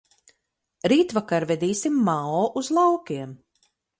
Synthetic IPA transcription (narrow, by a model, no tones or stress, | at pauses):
ɾiːt̪vakaɾvɛd̪iːsimːaɔːʔuzlˠawkʲiɛm